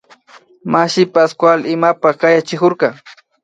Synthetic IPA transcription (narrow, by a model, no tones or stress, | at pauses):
maʃɪpaskwalɪmapakajat͡ʃɪkʊɾkɑ